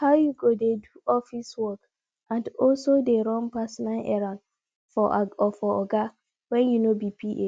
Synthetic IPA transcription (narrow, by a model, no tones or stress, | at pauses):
hawjuɡodeduɔfiswɔk | ãndɔlsodeɾɔ̃mpasɔnalʔɛ̰ɾãn | fɔɔfɔɔɡa | wɛ̃njunobipiʔe